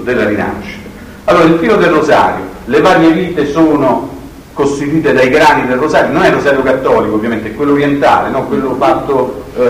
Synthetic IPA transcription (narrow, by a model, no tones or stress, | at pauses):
d̪elːaɾina̰ʃːi̥t̪ḁ | alːoːɾailfiːlod̪elrːoza̰ːɾjo | levaːɾjeviːt̪esoːno | kost̪it̪iːt̪ed̪ajɡɾaːnid̪elrozaːɾjononɛrːozaːɾjokat̪ːɔːlikovːjament̪eɛkːwelːoːɾjɛnt̪a̰ːlḛnɔkːwelːofat̪ːo